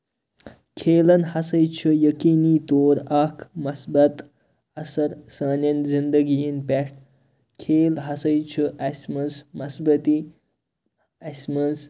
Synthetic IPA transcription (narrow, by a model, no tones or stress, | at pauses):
kʰeːlɐnhɐsɐjt͡ʃʰɐjɐkiːniːt̪oːɾɐkʰmɐsbɐt̪ | ɐsɐɾsɐːnʲɐnzind̪ɐɡijinpeʂʈ | kʰeːlɦɐsɐjt͡ʃʰɐʔɐsmɐsmɐsbɐt̪i | ɐsmɐns